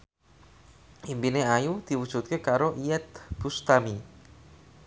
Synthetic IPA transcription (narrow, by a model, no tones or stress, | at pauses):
ʔimbineajud̪̥i̤wud̥ʒ̥ut̪̚kekaɾoʔiɛt̪̚b̥ust̪ami